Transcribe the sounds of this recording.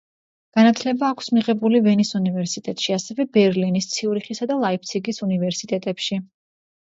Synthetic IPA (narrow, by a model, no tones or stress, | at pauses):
ɡ̥anat̪ʰlɛbaːkʷʰsmiʁɛbulivɛnisunivɛɾsit̪ʼɛt̪ʼʃiasɛvɛbɛɾlinist̪sʰiuɾiχisad̪alˠaip̚t̪sʰiɡisunivɛɾsit̪ʼɛt̪ʼɛpʃi